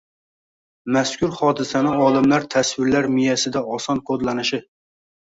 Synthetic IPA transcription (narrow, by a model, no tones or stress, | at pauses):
mɛskʲuɾχɑːd̪ɨsɛnɪɑːlˠɨmlæɾt̪ʰɛswɪɾlæɾmijɛsɪd̪ɛɑsɑnkʰod̪lˠɑnɨʃɪ